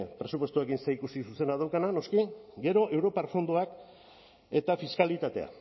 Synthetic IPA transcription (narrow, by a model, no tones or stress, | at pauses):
pɾe̞sup̬we̞st̪uekinseikusisuse̞nað̞awkanano̞skiɡe̞ɾo̞ʔe̞wɾo̞paɾfo̞nd̪uak | e̞t̪afiskalit̪at̪e̞̰a̰